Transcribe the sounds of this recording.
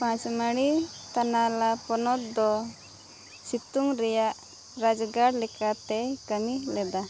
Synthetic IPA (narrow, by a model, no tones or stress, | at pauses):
pãt͡ʃməɽ̃it̪analapɔnɔt̪̚d̪ɔ | sit̪uŋɾɛjaʔ | ɾad͡ʒɡaɽlɛkat̪ɛkəmilɛd̪a